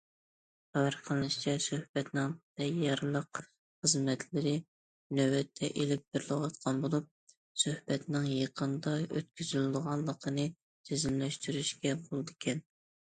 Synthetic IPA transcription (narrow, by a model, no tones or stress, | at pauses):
χæwæɾqʰəlˠnɨʃt͡ʃʰɛsøhb̥ɛt̪nɪŋd̪̥ɛjɑɾlˠəq | χəzmɛt̪ʰlɪɾɪ | nøwɛt̪ʰːɛʔelɪp̚bɪɾlˠɨwɑt̪qʰɑnbolˠup̚ | søhbɛt̪nɪŋjeqʰənd̪ɑø̰t̪̚kʲyzylɪd̪ɨʁɑlˠːəqʰənɨ | sʰezɪmlɛʃt̪yɾyʃkʲɛbʰolˠd̪ɪkʲʰɛn